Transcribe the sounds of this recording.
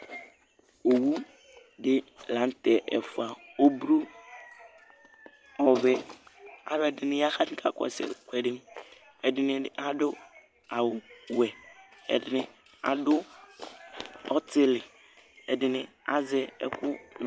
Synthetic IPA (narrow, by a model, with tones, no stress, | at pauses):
o˨wu˦ | dɪ˦lã˨˦n˦tɛ˨ʔɛ̰˨fu˨a˨o˦bɾu˦ | ɔ˨βɛ˦a̰˨βɛ˨dɪ˨nɪ̃˦ja˦xa˦tĩ˦kʰa̰˨kɔ̰˨sɛ̰˨kʷɛ˨dɪ˦m | ɛ˨dɪ˨nɪ̃˨ʔa˦dʊ˦ | a˨wɛ˨ɛ̰˨dɪ˨nɪ̃˨ | a̰˨dʊ˦ | ɔ˦tʰɪ˦lɪ˨ | ɛ˨dɪ˨nɪ̃˨a̰˦zɛ˦ɛ̰˦kʰʊ˦n˨